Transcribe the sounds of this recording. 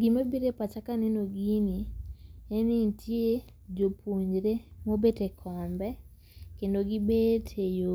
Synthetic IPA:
ɡimabiɾepat͡ʃakanɛnoɡiniɛnitʰje | d͡ʒopʰoɲɾemobetekʰɔmbɛ | kendoɡibetʰejo

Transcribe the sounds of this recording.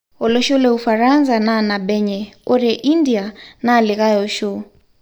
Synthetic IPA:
ɔlɔʃɔlɛufaɾanzananaɓɛɲɛɔɾɛʔindianaːliɣajɔʃɔ

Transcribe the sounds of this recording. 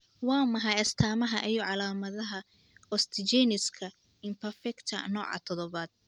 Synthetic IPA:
wɑːmɐɦɑjɐst̪ʰaːmɐɦɐʔɛjɔʕɑlaːmɐðɐɦɐ | ɔst̪ʰɪt͡ʃɛnɪskʰɐ | ɪmpʰɛrfɛkt̪ʰɐ̰nɔ̰ːʕɑ̰t̪ʰɔðɔβaːd̪̥̚

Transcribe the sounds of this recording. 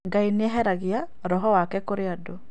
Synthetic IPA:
ɡainjɛɦɛɾaɡɪja | ɾɔɦɔwakɛkoɾɪado

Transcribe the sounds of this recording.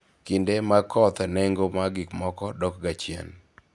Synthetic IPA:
kindemakʰɔt̪nɛŋɡomaɡɪkmɔkɔdɔk̚ɡat͡ʃjɛ̰n

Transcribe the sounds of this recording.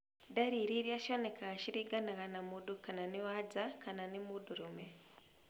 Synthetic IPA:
daɾiɾiɾjaʃonekaɣaʃiɾiɡanaɣanamudukananiwad͡zakananimuduɾume

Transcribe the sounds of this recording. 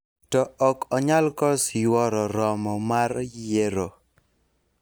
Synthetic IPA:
tɔɔkɔɲalkɔsjwɔɾɔɾɔmɔmaɾjeɾo

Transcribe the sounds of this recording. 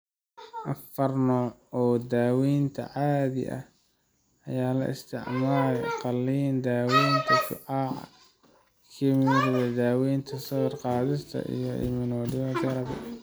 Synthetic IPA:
ʔɐfɐrnɔːɔːd̪aːwiːnt̪ʰɐ̰ʕɑːðɪ̰ʔɐ̰h | ʔɐjaːlɐ̰ʔɪ̰st̪ʰɪ̰ʕmaːɾqɑlːiːnd̪aːwiːjnt̪ʰɐfɪ̰ʕɑːʕɑ̰ | kʰiːmɪɾɪβɛd̪aːwiːnt̪ʰɐsɐɣrqɑːðɪst̪ʰɐ̰ʔḭjɔʔɪ̰mɪnɔːdɪɐd̪ɐɾɐbɐ̰

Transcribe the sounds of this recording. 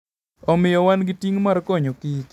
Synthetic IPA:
ɔmɪjɔwanɡɪtiŋmarkoɲokɪk

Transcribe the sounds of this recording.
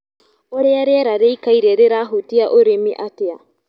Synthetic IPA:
oɾeaɾeɾaɾejkajɾeɾeɾaɦutiaʔoɾemiʔatea

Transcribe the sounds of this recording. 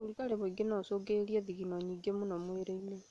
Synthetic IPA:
olikaɾeβoiɡenɔsoɡeɾieðiɣinɔɲiːɡemonɔmweɾeile

